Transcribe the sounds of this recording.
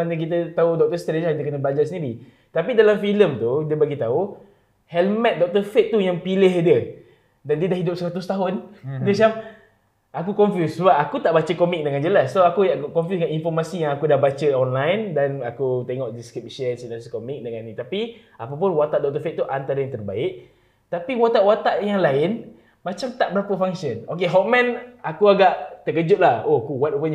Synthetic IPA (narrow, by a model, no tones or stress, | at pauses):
anək̬it̪̬ət̪audɔk̚t̪əst̪ɾed͡ʒakid̪əkənəbad͡ʒaʔsəndiɾi | t̪apidalamfiləmt̪udiəbaɡit̪au | hɛlmɛt̪̚dɔk̚t̪əfet̪̚ːujaŋpilɪɦdiə | dandiədahɦidʊp̚səɾat̪ʊst̪aɦʊndiəsam̚ | ʔak̬ukɔnfjusːəbap̚akut̪aʔbat͡ʃəkɔmik̚dəŋand͡ʒəlasːoakujaʔkɔ̃nfjusdəŋaninfɔrmasijaŋakudahbat͡ʃəɔnlajndanakut̪eŋɔʔdiskɾip̚ʃuənsinaskomik̚dəŋanːit̪api | apap̬ʊnwat̪aʔdɔt̪əfeʔ̚t̪uʔant̪aɾəaŋt̪ərbaɪʔ | t̪apiwat̪aʔwat̪aʔjaŋlaɪn | mat͡ʃamt̪aʔbəɾapəfaŋsənokeɦɔʔ̚mɛ̃nakuaɡaʔt̪əkəd͡ʒʊt̪̚lahoakuwat̪̚ukən